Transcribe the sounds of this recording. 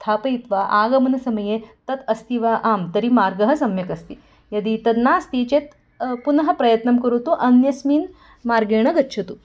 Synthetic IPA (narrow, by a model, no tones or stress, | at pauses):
st̪ʰaːpɐit̪ʋaʔaːɡɐmɐnɐsɐmɐjet̪ɐt̪ɐst̪iʋaʔaːmt̪ɐɾimaːɾɡɐɦɐsɐmjɐkɐst̪i | jɐd̪it̪ɐd̪naːɐst̪it͡ɕet̪ | punɐɦɐpɾɐjɐt̪nɐmkɐɾut̪uʔɐnjɐsmiːn | maːɾɡeːɳ̃ɐɡɐtːʃʰɐt̪u